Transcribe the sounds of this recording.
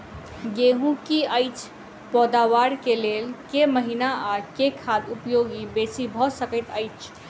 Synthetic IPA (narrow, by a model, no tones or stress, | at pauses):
ɡeɦũkiəɪt͡ʃʰ | pɔd̪awaɾkelelkeməɦinaakekʰad̪upjoɡibesibʱɔsəkəɪt̪əjt͡ʃʰ